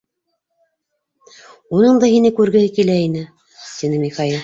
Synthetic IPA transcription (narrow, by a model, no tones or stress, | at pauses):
unɤɴd̪ɑhinɘkʉɾɡɘ̆hɘkilæinɘ | t̪inɘmiχɑilˠ